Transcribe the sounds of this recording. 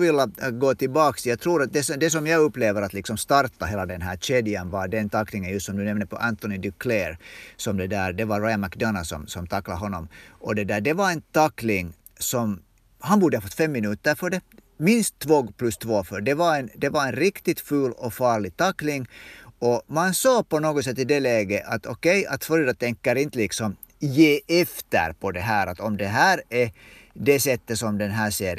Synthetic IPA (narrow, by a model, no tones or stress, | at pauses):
ʋɪlːəɡoːt̪ɪlbɑːksjɑːɡt̪ʰɾuːɾɑt̪̚d̪ɛsɔd̪ɛs̬ɔmjɑɡɵpːleːvəɾat̪lɪksɔmst̪ɑɾt̪aɦeːlad̪ɛnɦæːɾt͡ʃɛd̪ɪənvɑɖɛnt̪ʰɑkːlɪŋənjɵst̪sɔmd̪ʉnɛmnəpʰɔʔænt̪ɔnɪd̪ɪkʰlɛɾsɔmd̪ɛd̪æːɾd̪ɛvɑːajmɑkd̪ɑnasɔ̰msɔmt̪ʰɑkːlaɦɔnːɔmʔɔd̪ɛd̪æːɖɛvɑɾɛnt̪ʰɑkːlɪŋ | sɔm | hɑnbuːɖəhɑːfɔt̪ːfɛmːɪnʉːt̪əɾfœɖɛ | mɪnst̪ʰːvoːɡpʰlɵst̪ʰvoːfœɖɛvaɾɛnd̪ɛvaɾɛnɾɪkt̪ɪt̪fʉːlɔfɑːɭɪɡ̚t̪ɑkːlɪŋɔmansɑːpɔnoːɡɔt̪sɛt̪ːɪd̪ɛlɛːɡəʔɑt̪ʰɔkɛjɑ̰t̪fɔɾed̪at̪ʰɛŋkːəɾɪnt̪əlɪksɔm | jeːʔɛft̪ə̰ɾpʰɔd̪ɛɦæːɾat̪ɔmd̪ɛɦæːɾɛd̪ɛsɛt̪ːəsɔmd̪ɛnɦæːseːɾ